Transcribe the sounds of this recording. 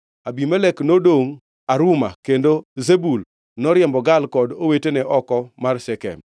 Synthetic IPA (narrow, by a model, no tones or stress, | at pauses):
abimɛlɛknodoŋ | aɾʊma̰kendozebul | nɔɾjɛmbɔɡalkɔdowetenɛʔɔkɔmarsɛkɛ̰m